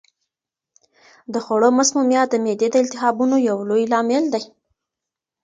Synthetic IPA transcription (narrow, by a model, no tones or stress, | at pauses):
d̪əxoɽomasmumjɑd̪əmed̪ed̪əɪnt̪ɪxɑbunojawlojlɑmɪld̪aj